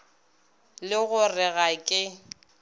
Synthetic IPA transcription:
lɪɣʊrɪɣakʼɪ

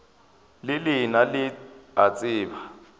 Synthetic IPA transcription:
lɪlɪnalɪat͡sʼɪːba

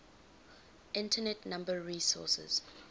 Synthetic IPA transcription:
ʔɪ̃ntʰənɛtnãmbəɹisɔ̰sɛ̰z̥

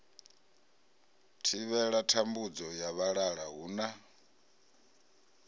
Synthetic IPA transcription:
tʰiβɛɺatʰambud͡zɔjaβaɺaɺaɦuːna

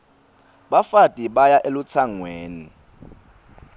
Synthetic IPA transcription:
ɓafatʼiɓajaʔelut͡sʰaŋweːni

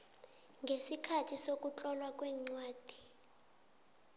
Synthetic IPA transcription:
ŋɡʱesikʰatʰisok̬ʼut͡ɬʼɔlwak̬ʼwɛːŋ͡ǀwaːd̥ʱi

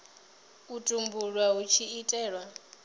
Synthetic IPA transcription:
utʼumbuɺwaut͡ʃʰiːtʼɛːɺwa

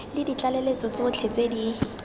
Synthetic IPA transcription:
lɪdit͡ɬalelet͡sɔt͡sɪʊt͡ɬʰet͡sedi

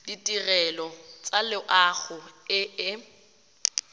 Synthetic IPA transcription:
ditʼirɛlɔt͡sʼalɪʔaɣʊɪɪ

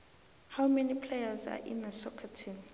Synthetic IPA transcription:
hawmɛnipʰlejaza̰ʔḭnðəsɔkʰatʰĩn

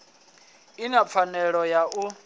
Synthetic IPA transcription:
inap̪fʰanɛɺɔjaʔu

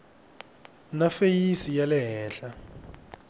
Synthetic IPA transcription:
nafejisijalɛɦɛːɬa

